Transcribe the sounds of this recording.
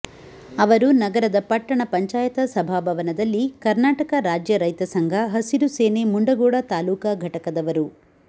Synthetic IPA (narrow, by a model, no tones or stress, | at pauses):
ɐʋɐɾunɐɡɐɾɐd̪ɐpɐʈːɐɳɐpɐɲt͡ʃaːjɐt̪ɐsɐbʱaːbʱɐʋɐnɐd̪ɐlːikɐɾnaːʈɐkɐɾaːd͡ʒjɐɾɐjt̪ɐsɐŋɡʱɐɦɐsiɾuseːnemuɳɖɐɡɔːɽɐt̪aːluːkɐɡʱɐʈɐkɐd̪ɐʋɐɾu